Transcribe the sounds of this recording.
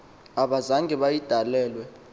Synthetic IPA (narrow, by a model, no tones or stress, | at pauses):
aɓazaŋɡɛɓajid̥ʱalɛːlwɛ